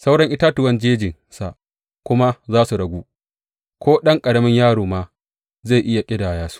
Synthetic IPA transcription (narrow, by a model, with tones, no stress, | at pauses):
sa˦wɽɐ˦ŋʔɪ˦taː˦tʊ˨wɐ˦nd͡ʒeː˦d͡ʒɪ˨n | sa̰˨ʔ | kʷʊ˦ma˦zaː˦su˨ɽɐ˨ɡʷuː˦ | kʷʰoː˦ɗɐ˦ŋkʼɐ˨ɽɐ˦mɐ˦ɲjaː˦ɽoː˨maː˦ | ze˦˨ʔɪ˦ja˨kʲʼɪ˦daː˨jaː˦su̥˦ʔ